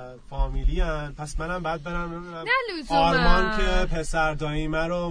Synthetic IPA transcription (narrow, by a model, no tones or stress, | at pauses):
fɒːmiːliænpʰæsmænæmbɒjæd̪̚be̞ɾæm | ɒːɾmɒːncʰepʰesæɾd̪ɒːiːmæɾo